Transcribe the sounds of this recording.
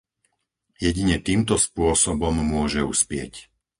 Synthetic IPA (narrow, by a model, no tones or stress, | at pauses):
jɛɟiɲɛt̪iːmt̪ɔspʊɔsɔbɔmːʊɔʒɛuspɪɛ̰c